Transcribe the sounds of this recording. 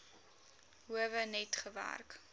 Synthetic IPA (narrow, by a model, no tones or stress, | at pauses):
ɦuəvənɛtχəvæ̰rk